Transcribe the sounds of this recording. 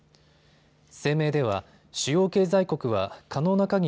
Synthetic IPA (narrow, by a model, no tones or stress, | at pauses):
se̞ːme̞ːd̪e̞βa | ɕɨjo̞ːke̞ːzaiko̞kɯ̟βakʰano̞ːnakaɲ̟i